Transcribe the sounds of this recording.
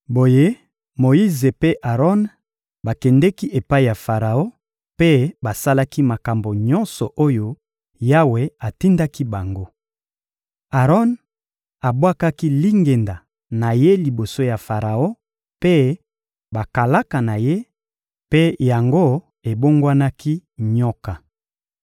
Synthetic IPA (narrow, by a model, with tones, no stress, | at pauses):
bo˨je˦ | mo˨i˦ze˨pe˦ʔa˨ʁɔ˦n | ba˨kɛ˨ndɛ˦ki˦ʔe˨pa˦i˨ja˨fa˨ʁa˨o˦ | pe˦ba˨sa˦la˦ki˦ma˨ka˨mbo˨ɲɔ̃˦nsɔ˨ʔo˦jo˦ | ja˦we˨a˨ti˦nda˦ki˦ba˨ŋɡo˦ | a˨ʁɔ˦n | a˨bwa˦ka˦ki˦li˦ŋɡe˨nda˨ | na˨je˦li˨bo˨so˦ja˨fa˨ʁa˨o˦ | pe˦ | ba˨ka˨la˦ka˨na˨je˦ | pe˦ja˨ŋɡo˦ | e˨bo˦ŋɡwa˦na˦ki˦ɲɔ˦ka˨